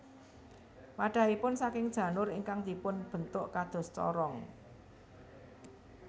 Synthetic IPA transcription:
maɖ̥a̤ipʊnsakɪŋd̥ʒ̥ä̤nʊɾɪŋkaŋd̪̥ipʊnb̥ə̤nt̪ʊʔkad̪̥ɔ̤st͡ʃɔ̰ɾɔŋ

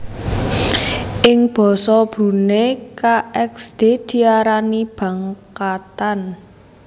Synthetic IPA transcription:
ʔɪŋb̥ɔ̤sɔb̥ṳnekaɛksd̪̥e̤d̪̥i̤aɾanib̥ä̤ŋkat̪an

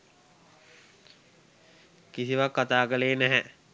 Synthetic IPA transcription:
kisiʋakːat̪aːkəleːnæɦɛ

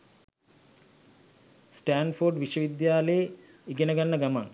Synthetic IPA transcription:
sʈaːnforɖʋiʃɐʋid̪jaːleje | iɡenɐɡanːəɡamaŋ

